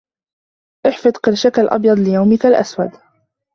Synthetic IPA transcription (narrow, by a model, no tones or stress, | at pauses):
ʔɪħfɨd̪ˤqɪɾʃakalʔɑ̰bjɑd̪ˤlɪjawmɪkalʔa̰swad̪